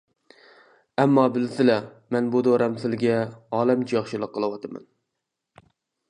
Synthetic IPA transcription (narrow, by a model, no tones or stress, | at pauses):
ɛmːɑbɪlsɪlɛ | mɛnbud̪oɾɛmsɪlɡʲɛɑːlˠɛmt͡ʃʰijɑχʃilˠəqʰːəlˠɨwɑt̪ʰɨmɛ̰n